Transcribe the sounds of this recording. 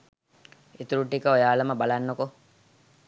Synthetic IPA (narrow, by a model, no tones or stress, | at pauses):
et̪uɾuʈːikəojaːləməbalanːoko